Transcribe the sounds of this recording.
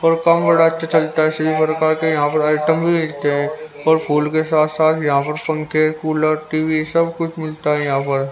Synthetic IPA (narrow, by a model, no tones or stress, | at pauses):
ɔːɾkɐmbɐɽaɐtːʃʰat͡ʃɐlt̪aɦɛsɐbipɾkaːɾkejɐɦãpɐɾaːɪʈəmbʱimɪlt̪eɦɛ̃ | ɔːɾpʰuːlkesaːt̪ʰsaːt̪ʰjɐɦãpɐɾpɐ̃ŋkekuːləɾʈiːʋisɐbkʊt͡ʃʰmɪlt̪aɦɛjɐɦãpɐɾ